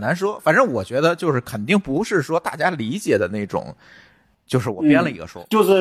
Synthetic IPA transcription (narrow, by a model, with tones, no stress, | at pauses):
na˧˥nʂwɔ˥fa˨˩nʈ͡ʂə˥ŋwɔ˨˩t͡ɕɥɛ˧˥d̪ə˧t͡ɕjo˥˧ʊʂɻ̩˥˩kʰə˨˩nt̪i˥˩ŋpu˧˥ʂɻ̩˥˩ʂwɔ˥t̪a˥˩t͡ɕja˥li˧˥t͡ɕjɛ˨˩d̪ə˦ne˥˩ɪʈ͡ʂʊ̰˨˩˦ŋ | t͡ɕjo˥˧ʊʂɻ̩˥˩wɔ˨˩pjɛ˥nlə˨ḭ˧˥ɡə̰˧ʂwɔ̰˥t͡ɕjo˥˧ʊʂ̩˥˩